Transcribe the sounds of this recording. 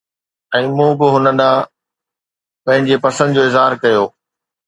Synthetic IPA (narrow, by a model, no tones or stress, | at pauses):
ɛ̃ːmũːbɪɦʊnəɗã | pɐ̃ɦɪ̃ɲd͡ʑepɐsə̃nd̪d͡ʑoːɪzɦaːɾkɐjoː